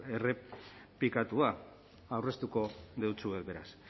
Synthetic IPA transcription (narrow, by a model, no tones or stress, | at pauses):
erepikat̪ua | awre̞st̪uko̞ðewt͡sue̞k̪be̞ɾa̰s